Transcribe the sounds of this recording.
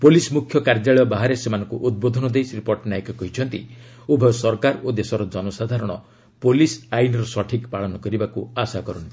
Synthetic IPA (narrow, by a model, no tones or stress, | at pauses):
polismukʰjɔkaɾd͡ʒaɭɔjɔbaɦaɾesemanɔŋkuʔud̪̚bod̪ʱɔnɔd̪ejsɾipoɾʈnajkɔkɔɦit͡ʃʰɔnt̪ḭ | ubʱɔsɔɾkaɾod̪esɔɾɔd͡ʒɔnɔsad̪ʱaɾɔɽ̃ɔ | polisajinɾɔsɔʈʰikpaɭɔnɔkɔɾibakuasakɔɾɔnt̪i